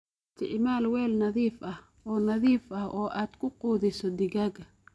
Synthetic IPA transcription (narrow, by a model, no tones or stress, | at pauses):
t̪ʰɪʕmaːlwɛːlnɐðiːfʔɐh | ɔːnɐðiːfɐhʔɔːʔaːd̪̥kʰʊquːðɪsɔd̪ɪɣaːɡɐ